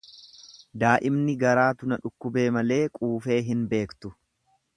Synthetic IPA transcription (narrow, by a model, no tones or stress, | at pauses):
d̪aːʔɪmnɪɡɐɾaːt̪ʊnɐᶑʊkːʊbe̞ːmɐle̞ːkʼuːfe̞ːɦɪnbe̞ːkt̪ʊ